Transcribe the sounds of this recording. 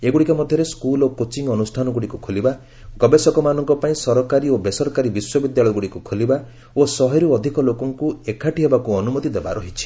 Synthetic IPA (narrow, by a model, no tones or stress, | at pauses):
eɡuɽikɔmɔd̪ʱjɔɾeskulokot͡ʃiŋɔnusʈʰanɔɡuɽikukʰoliba | ɡɔbesɔkɔmanɔŋkɔpaĩsɔɾɔkaɾiobesɔɾɔkaɾibiswɔbid̪jaɭɔjɡuɽikukʰoliba | osɔɦɔɾuɔd̪ʱikɔlokɔŋkuekʰaʈiɦebakuɔnumɔt̪id̪eba̰ɾɔɦit͡ʃʰi̥